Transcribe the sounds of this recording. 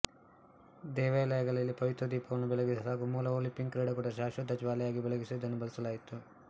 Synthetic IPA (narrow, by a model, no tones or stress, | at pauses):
d̪ɛːʋɐɐlɐjɐɡɐɭɐlːipɐʋit̪ɾɐd̪iːpɐʋɐnːubɛleɡisɐlaːɡumuːlɐoːlipːiŋɡkɾeɖɐɡuɽɐʃaːʃud̪ʱːɐd͡ʒʋaːlɐjaːɡibɛɭeɡisid̪ɐnːubɐlisɐlaːjit̪u